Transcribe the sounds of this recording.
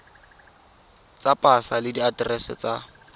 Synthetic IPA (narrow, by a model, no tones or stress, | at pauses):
t͡sapʼasalɪdiatrɛsɛ̰t͡sʼa